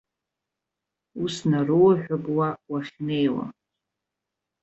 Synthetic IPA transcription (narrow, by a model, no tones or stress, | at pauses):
usnaruwaħᶣʷapʼwawaχʲne̞jwa̰